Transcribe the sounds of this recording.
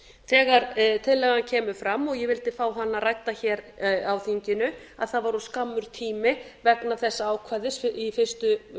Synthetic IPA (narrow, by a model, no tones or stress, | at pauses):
θɛːɣaɾt̪ʰɪðlːɛːɣancʰɛːmʏfɾamːɔɣjɛvɪlt̪ɪfaːwɦanːarajkt̪açɛːɾawθiɲcɪnʏ | aðθaðvaɾɔskamːʏɾ̥t̪ʰiːmɪvɛknaθɛsːaaːwkʰvaðɪsifɪr̥st̪ʏ